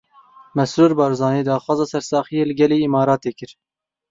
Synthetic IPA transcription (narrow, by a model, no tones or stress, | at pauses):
mɛsɾuːɾbɑːɾzɑːneːd̪ɑːxwɑːzɑːsɛɾsɑːxijeːlɨɡʲɛliːimɑːɾɑːt̪eːkɨɾ